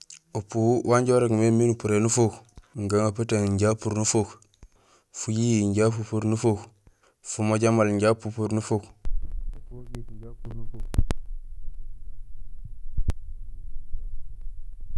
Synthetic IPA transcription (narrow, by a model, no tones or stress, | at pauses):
opuwwʔaɲɟoɾekmeminupuɾenufokŋɡaŋapətaŋɲɟapuɾnufok | fujijiɲɟapupuɾnufok | fumoɟamalɲɟapupuɾnufukapuɡitɲɟapuɾnufuk